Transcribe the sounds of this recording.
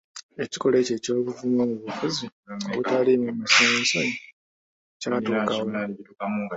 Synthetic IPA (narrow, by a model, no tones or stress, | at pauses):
e̞ci̥ko̞le̞ːce̞ːco̞ːβuvumomuβufuzio̰βutalimumasesoni | caːtuːkawo